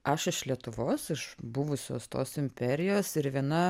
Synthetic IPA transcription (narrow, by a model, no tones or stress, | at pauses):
ɐʃɪʃlʲiɛt̪ʊʋoːsɪʃbʊʋʊsʲo̰ːst̪oːsɪmʲpʲɛɾʲɪjoːsɪɾʋʲiɛnɐ